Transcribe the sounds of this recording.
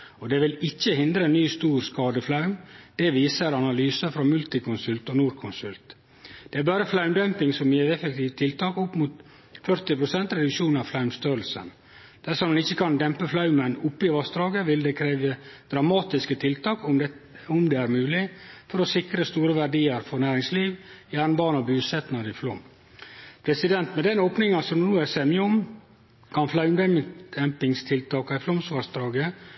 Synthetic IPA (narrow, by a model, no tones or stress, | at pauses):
ɔd̪ɛʋɪlɪçːəhɪnd̪ɾənːyːst̪uːɾskɑːd̪əflɑʉmd̪̥ɛʋiːsəɾɑnɑlyːsəfɾɑmʉlt̪ɪkʰʊnsʉlt̪ɔnuːɾkʰʊnsʉlt̪ | d̪̥ɛæɾbɑːɾəflɑʉmd̪œmpɪŋsɔmjeːt̪ɛfɛk̚t̪ʰiːʋt̪ʰɪlt̪ʰɑːkʊpːmut̪ | fœɾt̪ɪpʰɾʊsɛnt̪ɾɛd̪ɪʂuːnɑʋflɑʉmst̪øːɾlsə̰n | d̪̥æʂɔmɛnɪçːəkʰɑnd̪ɛmpəflɑʉmənʊpːɪʋɑsd̪ɾɑːɡəʋɪld̪ɛkʰɾeːʋəd̪̥ɾɑmɑːt̪ɪskət̪ʰɪlt̪ʰɑːkʊ | ʊmd̪ɛːæɾmʉːlɪfɔɾɔsɪkɾəst̪uːɾəʋæɖiːəɾfɔɾnæːɾɪŋsliːʋjæːɾnbɑːnɔbʉːsɛt̪ənɑɾɪflɔm | pʰɾɛsɪd̪ɛnt̪mɛd̪ɛnoːpnɪŋɑsɔmnuːæsɛmjəʊm | kʰɑnflɑʉmd̪ɛd̪̥ɛmpɪŋst̪ʰɪlt̪ʰɑːkɑɪflɔmsʋɑsd̪ɾɑːɡə